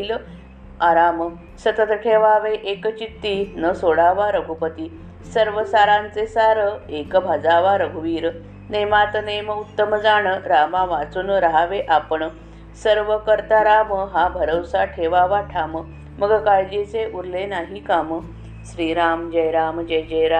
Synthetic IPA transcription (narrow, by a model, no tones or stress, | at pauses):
l | aɾamə | sət̪ət̪ʈʰeʋaʋeʔekt͡ɕit̪ːinəsoɭaʋaɾəɡʱupət̪iː | səɾʋəsaɾãnt͡sesaɾəekəbʱad͡zaʋaɾəɡʱuʋiːɾ | nemat̪neməut̪ːəməd͡zaɳ̃əɾamaʋat͡suːnɾəɦaʋeʔapəɳ | səɾʋəkəɾt̪aɾaməɦabʱəɾəwsaʈʰeʋaʋaʈʰamə | məɡkajd͡ʑet͡seʔuɾlenaɦikamə | ɕɾiːɾamd͡ʑəjɾamd͡ʑəjd͡ʑəjɾa